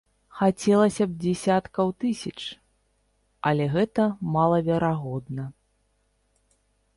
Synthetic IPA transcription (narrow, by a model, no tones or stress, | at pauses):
xat͡sʲɛlˠɐsʲɐb̚d͡zʲɛsʲat̪kɐwt̪ɨsʲɐt͡ʂ | ɐlʲɛɣɛt̪ɐmalˠɐvʲɛɾaɣɔd̪nɐ